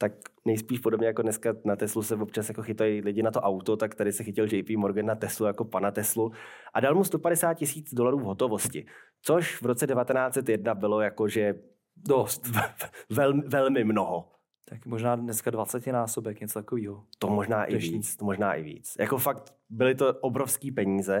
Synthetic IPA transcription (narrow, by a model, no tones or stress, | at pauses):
t̪aknɛjspiːʃpodobɲɛjakodnɛskanat̪ɛslusɛvop̚t͡ʃasjakoxɪt̪ajlɪɟɪnat̪oʔawt̪ot̪akt̪adɪsɛxɪcɪld͡ʒɛjpiːmoɾɡɛnːat̪ɛslujako̞panat̪ɛsluʔadalmust̪opadɛsaːt̪̚cɪsiːt͡sdolaɾuːvɦo̞t̪ovo̞scɪ | t͡soʃvɾot͡sɛdɛvat̪ɛnaːt͡sɛt̪jɛdnabɪlo̞jakoʒɛ | dost̪vɛlmɪvɛlmɪmnoɦo | t̪akmoʒnaːdnɛskadvat͡sɛcɪnaːsobɛkɲɛt͡sot̪akoviːɦot̪omoʒnaːʔɪviːt͡st͡st̪omoʒnaːʔɪ̰vḭːt͡sjʔako̞fakt̪ | bɪlɪt̪o̞ʔobɾofskiːpɛɲiːzɛ